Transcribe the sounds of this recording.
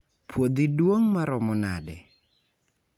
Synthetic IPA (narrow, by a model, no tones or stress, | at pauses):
pwod̪idwoŋmaɾɔmɔna̰dɛ